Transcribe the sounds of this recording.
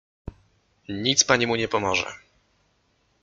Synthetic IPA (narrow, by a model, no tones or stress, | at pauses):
ɲit̪spaɲimuɲɛpɔmɔʐɛ̰